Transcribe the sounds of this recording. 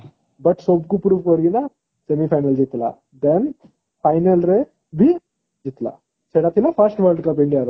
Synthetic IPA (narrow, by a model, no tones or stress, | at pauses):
bɐʈsob̚ɡupɾuʋkɐɾɡinɐ | semipʰɐjnɐld͡ʒit̪ːla̰ | d̪en | pɐjnɐlɾe | bi | d͡ʒit̪la̰ | seɽaːt̪ilːapʰɐsʈʋɐlɖkɐp̬ĩɳɖijaɾu